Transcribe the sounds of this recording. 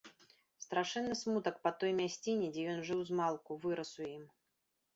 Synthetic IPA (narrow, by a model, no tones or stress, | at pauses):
st̪ɾaʂɛnːɨsmut̪ɐkpɐt̪ɔjmʲasʲt͡sʲinʲɛd͡zʲɛjɔnʐɨwzmalˠkuvɨɾɐsujim